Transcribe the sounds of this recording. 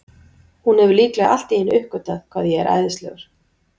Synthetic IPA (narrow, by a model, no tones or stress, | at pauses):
hunhɛvʏɾliːklɛɣ̰ʔa̰l̥t̪iɪnʏhkʏt̪aðkʰvaːðjɛɛɾʔa̰ːjðɪst̪lɛ̰ɣaɾ̥